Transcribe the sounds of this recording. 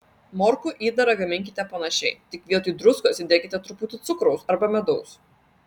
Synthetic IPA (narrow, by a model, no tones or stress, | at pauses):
mɔɾkʊʔiːd̪ɐɾɐɡɐmʲɪŋʲkʲɪt̪ʲɛpɐnɐʃʲɛɪt̪ʲɪkʋʲiɛt̪ʊːd̪ɾʊskosʲɪd̪ʲeːkʲɪt̪ʲɛt̪ɾʊpʊt̪ʲɪt̪sʊkɾɐʊsɐɾbɐmʲɛd̪ɔʊs